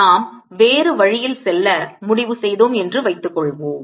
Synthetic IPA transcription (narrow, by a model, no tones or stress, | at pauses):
aːm | ʋeːrɯʋɐɻɪjɪlsɛlːɐmʊɽɪʋɯsɛjðoːmɛndrɯʋɐɪt̪ːɯkːɔɭʋoːm